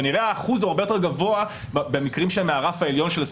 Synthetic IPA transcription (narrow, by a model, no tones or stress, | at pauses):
aniʁeaːχuzuaʁbe̞joteɡavo̞a | bbemikʁimʃelmeaʁafaeljo̞nʃelas